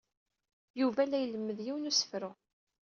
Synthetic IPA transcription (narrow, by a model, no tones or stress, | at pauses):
juvælːæjələmːəðjiwnusə̥fɾʊ